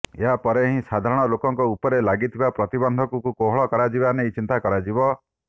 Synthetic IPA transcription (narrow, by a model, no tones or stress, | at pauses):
eɦapɔɾeɦĩsad̪ʱaɾɔɽ̃ɔlokɔŋkɔupɔɾelaɡit̪ʰibapɾɔt̪ibɔnd̪ʱɔkukukoɦɔɭɔkɔɾad͡ʒibanejt͡ʃint̪akɔɾad͡ʒibɔ